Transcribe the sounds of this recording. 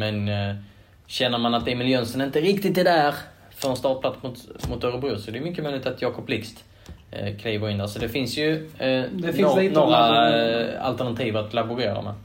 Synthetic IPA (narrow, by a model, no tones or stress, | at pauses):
mɛn | ɕɛnːəɾmanat̪ɛmɪljœnsɔnɪnt̪əɾɪkt̪ɪt̪ɛɖæɾ | fœɾɛnst̪ɑːʈ̚pʰlat̪smʊt̪mʊt̪œɾəbʊsɔɛdɛjʏmʏkːəmɛːnlɪɪt̪at̪jɑːkɔplɪkst̪ | kʰliːvəɾɪnd̪æːɾsɔd̪ɛfɪnsjɵ | noɾa | a̰lt̪əɳat̪ʰiːvət̪labʊɾeːɾa̰ɾma̰n